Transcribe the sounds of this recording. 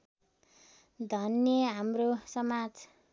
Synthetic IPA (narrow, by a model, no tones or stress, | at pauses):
d̪ʱʌnjʌɦamrosʌmad͡z